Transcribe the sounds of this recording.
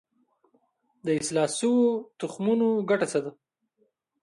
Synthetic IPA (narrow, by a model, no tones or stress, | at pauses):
d̪əɪslɑsəwot̪ʊxmunoɡaʈat͡sad̪a